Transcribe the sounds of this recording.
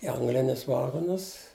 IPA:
ɪ ˈɐŋɡlʲɪnʲʊs ˈʋɑːɡoːnʊs

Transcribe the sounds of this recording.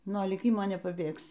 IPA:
nuɔ lʲiːˈkʲɪmoː nʲɛpɐˈbʲeːksʲɪ

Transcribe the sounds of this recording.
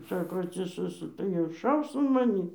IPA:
ˈsɑːkoː ɐtʲsʲɪˈsɘsʊ tɐɪ ɪr ˈʃɐʊs ɐn mɐˈnʲiː

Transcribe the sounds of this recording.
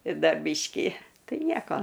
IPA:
ˈdɐ ˈbʲiːʃʲkʲiː ˈtɐɪ ˈnʲiɛkoː

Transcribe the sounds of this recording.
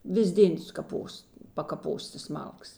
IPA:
ˈʋʲɪs ˈdʲeːn sʊkɐˈpoːs pɐkɐˈpoːs tɐs ˈmɐlˠkɐs

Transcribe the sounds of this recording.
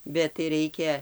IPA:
bʲɛt tɐɪ ˈrɐɪkʲɛ

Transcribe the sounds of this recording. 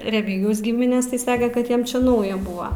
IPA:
rʲɛˈmʲiːɡʲɪjɛʊs ˈɡʲɪmʲɪnʲeːs tɐɪ ˈsɑːkʲɛ kɐt ˈjiɛm t͡ʃʲɛ ˈnɐʊjɛ ˈbʊɐ

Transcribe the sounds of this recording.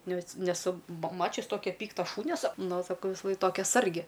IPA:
ˈnʲɛs nʲɛˈsʊ mɐ ˈmɑːt͡ʃʲʊs ˈtoːkʲɛ ˈpʲiːktɐ ˈʃuːnʲɛ sɐ ˈnʊ sɐˈkɐʊ ʋʲɪsɐˈlˠɐɪk ˈtoːkʲɛ ˈsɐrʲɡʲɪ

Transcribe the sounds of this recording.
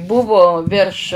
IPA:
ˈbʊʋoː ʋʲɪrʃ

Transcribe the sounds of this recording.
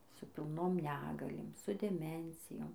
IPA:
sʊ pʲɪlˠˈnoːm ˈnʲæːɡɐlʲeːm sʊ dʲɛˈmʲɛnʲt͡sʲɪjoːm

